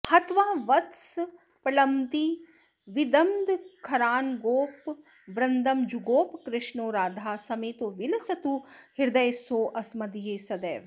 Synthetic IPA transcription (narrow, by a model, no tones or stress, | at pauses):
hɐt̪ʋaːʋɐt̪s | pɐlɐmt̪i | ʋid̪ɐmd̪kʰɐɾaːnɡoːp | ʋɾɐnd̪ɐmd͡ʒuɡoːpkɾɪʂɳoːɾaːd̪ʱaːsɐmeːt̪oːʋilɐsɐt̪uhiɾd̪ɐjsoːʔɐsmɐd̪ijeːsɐd̪eːʋ